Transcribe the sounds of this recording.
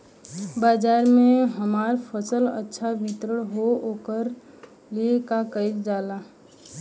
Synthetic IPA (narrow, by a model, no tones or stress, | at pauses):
baːd͡ʒaːɾmẽɦəmaːɾpʰəsələ̰tːʃʰaʋɪt̪ɾəɽ̃ɦookəɾ | liekakəɪkd͡ʒaːlaː